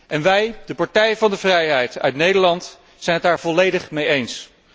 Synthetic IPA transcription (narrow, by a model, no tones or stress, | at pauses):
ʔɛnʋɛjdəpɑɹtɛjvɑndəvrɛjɦɛjtœ̰ɥtnejdəɹlɑnt | sɛjnɦətdaːɹvɔlejdəχmejejns